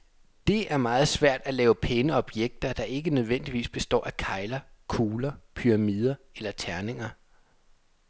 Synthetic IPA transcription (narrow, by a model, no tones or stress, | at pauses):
d̥e̝æɐmɑ̈ːð̞̩ˠsʋæɐ̰d̥ælɛːʊəpʰenəɒ̽b̥jeɡ̥̚d̥ɐd̥ɑ̈ʔe̝ɡ̥ənøð̞ˠʋen̰d̥iʋḭːsb̥e̝sd̥ɒ̰ːʔækʰɑ̈ɪlɐkʰuːlɐpʰyʁɑ̈mið̞ˠɐelɐt͡sʰæɐne̝ŋɐ